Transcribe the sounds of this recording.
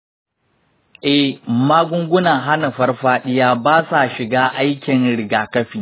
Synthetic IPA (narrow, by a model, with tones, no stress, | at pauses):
ʔɛ˨hmaː˦ɡʷʊ˦ŋɡʷʊ˦na˨ɦa˦na˨ɸɐ˦rɸaː˦ɗɪ˦jaː˦baː˦sa˨ʃɪ˨ɡaː˦ʔa˦jkʲɪ˨nɽɪ˨ɡaː˨kɐ˦ɸiː˨